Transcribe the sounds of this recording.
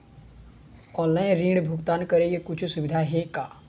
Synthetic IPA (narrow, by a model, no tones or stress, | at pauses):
ɔːnlaːɪnɾĩːɳɖbʱʊkt̪aːnkəɾeɡekʊt͡ʃʰsʊʋɪd̪ʱaɦekaː